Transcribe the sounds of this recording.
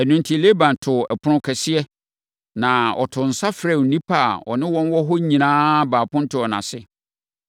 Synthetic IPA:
æ˨nʊ̃˦n˦tʰi˦le˦bã˨ntʰʊ˨ɛ˨pʰʊ˦ɾʊ̃˦kʰɛ˨sɪ˦ɛ˦ | nã˨ɔ̰˨tʰʊ˨n̩˨sa˦fɾɛ˦˨˦nĩ˦pʰa˦˨ɔ̰˨nɪ̃˦wɔ̃˦nwɔ˦ɦɔ˦ɲĩ˨nãː˦baː˨pʊ̃˦n̩˦tɪ˦ɔ˨nã̰˨sɪ˦

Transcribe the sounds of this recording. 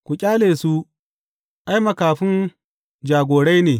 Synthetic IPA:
kʷu˨kʲʼaː˦leː˨su˦ | ʔa˦jmɐ˨kaː˨ɸɪ˦n | d͡ʒaː˨ɡʷoː˨ɽa˦jneː˨

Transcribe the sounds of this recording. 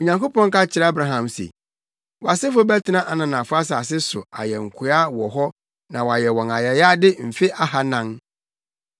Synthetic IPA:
o˨ɲã˨ŋko˦pɔ̃˦ŋ˦ka˦t͡ɕʰɪ˦ɾɛ˦a˦bɾa˦ɦã˨msḛ˨ | wɔ˨a˨sɪ˦fʊ˦bɛ˦tʰɪ˦nã˦ʔa˨nã˨nã˨fʊ˦a˦sa˨a˨s̬ɪ˦sʊ̰˨a̰˨jɛ˨ŋ̩˨kʰʊ˨˦a˦wɔ˨ɦɔ˦ | nã˨wa˨jɛ˨wɔ̃˨na˨jɛ˨ja˦dɪ˦m̩˨fɪ˦ʔa˦ha˨nã˦ŋ

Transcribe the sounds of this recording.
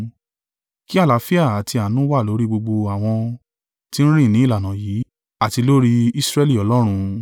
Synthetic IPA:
ki˦a˦˨la˨˦fi˦a˦˨a˨ti˧a˨nũ˦wa˦˨lo˨˦ɾi˦ɡ͡bo˧ɡ͡bo˧a˨w̃ɔ̃˧ | tĩ˦ñ̩˦ɾ̃ĩ˦˨nĩ˨˦la˨nã˨jiː˨˦ | a˦˨ti˧lo˦ɾi˦i˦sɾɛ˦li˦˨ɔ˨˦lɔ˦ɾ̃ũ˧

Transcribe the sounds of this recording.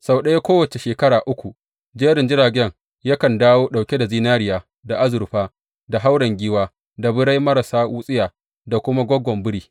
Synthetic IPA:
sa˨wɗɐ˦ja˦kʷoː˦wɐ˨t͡ʃe˨ʃeː˨kɐ˦ɽaː˨ʔʊ˦kʷu˨ | d͡ʒeː˦ɾɪ˨nd͡ʒɪ˦ɾaː˨ɡʲɛ˦ŋ | ja˦kɐ˨ndaː˦woː˦ɗa˨wkʲe˦da˨ziː˦naː˦ɾɪ˦jaː˨ | da˨ʔa˦zʊ˨ɾɸaː˦ | da˨ɦa˦wɽɐ˨ŋɡʲiː˦waː˦ | da˨bʊ˦ɽa˦jmɐ˦ɾa˨saː˦wuː˦sʼɪ˦jaː˨ | da˨kʷʊ˦ma˦ɡʷɔ˦ɡʷːɔ˨mbʊ˦ɽiː˦

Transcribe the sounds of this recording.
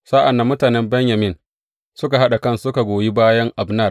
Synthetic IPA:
sa˦ʔa˨nːa˨˦mːʊ˦taː˨nɛ˦mbɛ˦ɲja˨mɪ˦n | sʊ˦ka˨ɦa˦ɗa˨kɐ˦nsʊ˦ka˨ɡʷoː˨ji˦baː˦jɐ˦ŋʔa˨bnɐ˦˨r

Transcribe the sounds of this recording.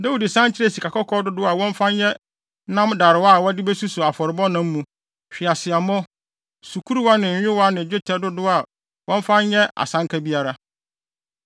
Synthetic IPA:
da˦wu˨di˨sã˦n˦t͡ɕʰɪ˦ɾe˦si˨kʰa˨kɔ˦kʰɔ˦dʊ˦dʊ˦a˨wɔ̃˦m̩˦fã˦ɲ˦jɛ˦ | nã˦mda˨ɾɪ˨wa˦˨wɔ˦dɪ˦bɛ˦su˦sʊ˨a˨fɔ˨ɾɪ˨bɔ˦nã˦m̩ː˦ũ˨ | ɕᶣɪ˨a˨sɪ˨a˨mɔ̃˦ | su˨kʰu˦ɾu˦wa˦nɪ̃˨ɲ̩ᶣ˨˦ɪ˦wa˦nɪ̃˨d͡ʑᶣɪ˦tʰɛ˦dʊ˦dʊ˦a˨ | wɔ̃˦m̩˦fã˦ɲ˦jɛ˦ʔa̰˨sã˦ŋkʰa˦bi˦a˦ɾa˦

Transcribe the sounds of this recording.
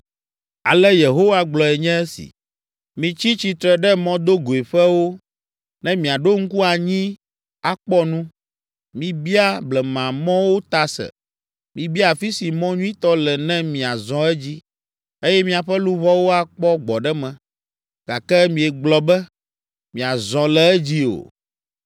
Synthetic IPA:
a̰˨lɛ˦je˨ɦo˦wa˦ɡ͡blɔ˨ɛ˨ɲɛ̃˦ɛ˦sḭ˨ | mĩ˨t͡ɕi˦t͡ɕi˦t̪ɾɛ˨ɖɛ˦mɔ̃˦d̪o˦ɡo˨e˨ɸɛ˦wo˦ | nɛ̃˦mĩ˨a˨ɖo˦ŋ̩˦ku˦a˨ɲĩ˦ | a˨k͡pɔ˦nũ˦ | mĩ˨bi˦a˦blɛ˨mã˨mɔ̃˦wo˦t̪a˨sɛ̰˨ | mĩ˨bi˦a˨fi˦si˨mɔ̃˦ɲũ˦ĩ˦t̪ɔ˦lɛ˨nɛ̃˦mĩ˨a˨zɔ̃˨ɛ˦d͡ʑi˦ | e˦jɛ˦mĩ˦a˨ɸɛ˦lu˦βɔ˦wo˦a˨k͡pɔ˦ɡ͡bɔ˨ɖɛ˦mɛ̃˨ | ɡ̥a˨kɛ˦mĩ˨ɛ˨ɡ͡blɔ˨bɛ˦ | mĩ˨a˨zɔ̃˨lɛ˨ɛ˦d͡ʑi˦o̰˨

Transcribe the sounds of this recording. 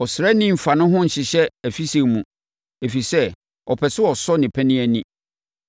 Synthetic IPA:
ɔ˨sɾɛ˦nĩ˦m̩˨fa˨nʊ̃˦ɦʊ̃˦n̩˨ɕɪ˨ɕɛ˦æ˨fi˦se˨mũ˨ | e˨fi˨sɛ˦ | ɔ˨pʰɛ˨sʊ˦ɔ˨sɔ˦nɪ̃˨pʰæ˦nɪ̃˦æ˦nĩ˦

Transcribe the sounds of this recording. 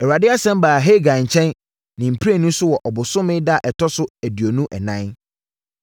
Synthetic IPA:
ɛ˨wa˨dɪ˦a˦sɛ̃˦m˦baː˨ɦe˦˨ɡã˨ɲ̩˨t͡ɕʰɛ̃˦n | nɪ̃˨m̩˨pʰɾa˦˨nũ˦sʊ˦wɔ˨ʔɔ˨bʊ˨sʊ̃˦mɪ̃˦da˦˨ʔɛ˨tʰɔ˦sʊ˦æ˨dɥo˨nũ˦ʔɛ̰˨nã˦n

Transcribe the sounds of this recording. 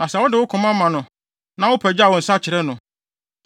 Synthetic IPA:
nã˨sɛ˨wʊ˦dɪ˨wʊ˦kʰʊ̃˨mã˦mã˨nʊ̃˨ | nã˦wʊ˦pʰɛ˨d͡ʑa˨wɔ̃˨n̩˨sa˦t͡ɕʰɪ˨ɾɛ˦nʊ̃˨

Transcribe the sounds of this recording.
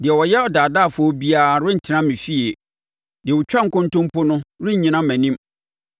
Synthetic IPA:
dɪ˨ɛ˨wɔ˨jɛ˦ɔ˨daː˨da˦˨fʊ˨ɔ˦bi˦aː˦˨ɾʊ˦n̩˨tʰɪ˨ɾã˦mɪ̃˨fi˦e˨ | dɪ˨ɛ˨wʊ˨t͡ɕᶣã˦ŋ̩˦kʊ̃˦n˦tʊ̃˦m˦pʊ˦nʊ̃˦ɾʊ˦ɲ̩˨ɲĩ˨nã˦mæ̃˨nĩ˦m

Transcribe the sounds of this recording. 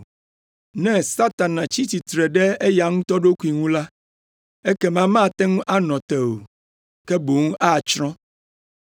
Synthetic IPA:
nɛ̃˦sa˦t̪a˨nã˨t͡ɕi˦t̪i˨t̪ɾɛ˨ɖɛ˦e˦ja˨ŋũ˦t̪ɔ˦ɖo˦ku˦i˦ŋũ˦la˦ | e˦kɛ˦mã˦mã˦˨t̪ɛ̃˦ŋũ˦ʔa˦nɔ̃˨t̪ɛ˨o˨ | kɛ˦bo˨ŋũ˦ʔa˦˨t͡ʃɾɔ̃˦

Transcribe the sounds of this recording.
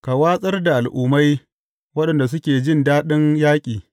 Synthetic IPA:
ka˨waː˦sʼɐ˦rda˨ʔa˨lʔʊː˦ma˦j | wɐ˦ɗɐ˨nda˨s̬ʊ˦kʲeː˨d͡ʒɪ˦ndaː˦ɗɪ˦njaː˦kʲʼiː˨

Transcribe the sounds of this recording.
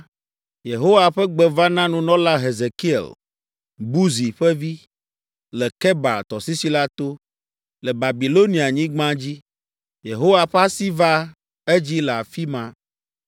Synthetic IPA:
je˨ɦo˦wa˨ɸɛ˦ɡ͡bɛ˨va˦nã˦nũ˨nɔ̃˦la˦ɦe˨ze˨ki˦ɛ̰˨l | bu˦zi˨ɸɛ˦vi˦ | lɛ˨kɛ˦ba̰˨lt̪ɔ˨si˦si˦la˦t̪o˦ | lɛ˨ba˨bi˨lo˦nĩ˨a˨ɲĩ˦ɡ͡bã˦d͡ʑi˦ | je˨ɦo˦wa˨ɸɛ˦a˦si˦va˦ | e˦d͡ʑi˦lɛ˨a˨fi˦mã˨

